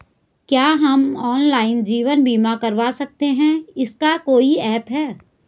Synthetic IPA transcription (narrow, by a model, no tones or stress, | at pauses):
kjaːɦɐmɔːnlaːɪnd͡ʒiːʋənbʱiːmakɐɾʋasɐk̚t̪eɦɛ̃ɪskakoːiɛːpɦɛː